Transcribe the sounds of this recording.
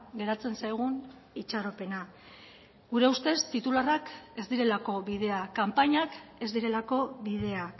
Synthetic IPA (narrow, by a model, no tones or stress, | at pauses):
ɣe̞ɾat͡se̞nsajɣ̞un | it͡ʃaɾo̞pe̞na | ɡuɾe̞ust̪e̞st̪it̪ularake̞zd̪iɾe̞lako̞βið̞e̞akampaɲake̞zd̪iɾe̞lako̞βið̞e̞a